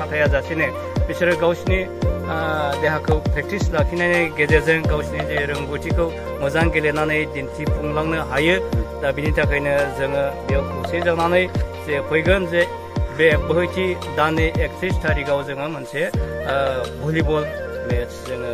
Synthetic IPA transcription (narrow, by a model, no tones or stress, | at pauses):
atʰajazasinɯ | bisɯɾɯɡawsni | deɦakʰɯwpʰɾek̚tislakʰinajnɯɡezezɯŋɡawsnideɾɯŋɡutʰikʰɯw | mɯzaŋɡelenanɯjdintʰipʰuŋlaŋnɯɦajɯdabinitʰakʰajnɯzɯŋɯbewkʰɯwsezaŋnanɯjzepʰɔjɡɯnze | bebɯɦɯjtʰi | danɯek̚pʰistʰaɾiɡawzɯŋɯmɯnse | bulibɔlmeszɯŋɯ